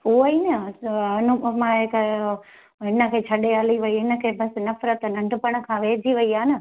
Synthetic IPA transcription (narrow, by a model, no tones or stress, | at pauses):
ɦuinɐɐnumãɦekə | ɦɪnə̆kʰeːt͡ɕʰɐɗealiʋɐiɦɪnə̆kʰeːbɐsnɐfɾət̪nɐ̃ɳɖʱʊpɐɽ̃ə̆kʰãːʋeːd͡ʒʱiʋɐiaːnɐ